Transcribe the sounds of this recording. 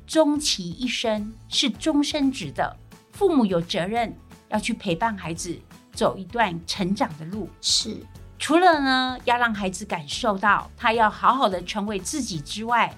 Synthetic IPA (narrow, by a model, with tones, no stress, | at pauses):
ʈ͡ʂʊ˥ŋt͡ɕʰi˧˥i˥˩ʂə˥ŋʂɻ̩˥˩ʈ͡ʂʊ˥ŋʂə˥nʈ͡ʂɻ̩˧˥d̪ə̰˧fu˥˩mu˨˩jo˨˩ʊt͡sɤ˧˥ɻə˥˩njɑ˥˧ʊt͡ɕʰy˥˩pʰe˧˥ɪpa˥˩nxa˧˥ɪd͡z̩˨t͡so˨˩ʊi˧˥t̪wa˥˩nʈ͡ʂʰə˧˥nʈ͡ʂɑ˨˩ŋd̪ə˦lu˥˩ʂ̩˥˩ʈ͡ʂʰu˨˧˥lə˨nə˦jɑ˥˧ʊɻɑ˥˩ŋxa˧˥ɪd͡zɹ̩˨˧˦ka˨˩nʂo˥˧ʊt̪ɑ˥˨ʊt̪ʰa˥jɑ˥˩ʊxɑ˧˥ʊxɑ˨˩ʊd̪ə˨ʈ͡ʂʰə˧˥ŋwe˧˥ɪt͡sɹ̩˥˩t͡ɕi˨˩ʈ͡ʂɻ̩˥wa˥˩ɪ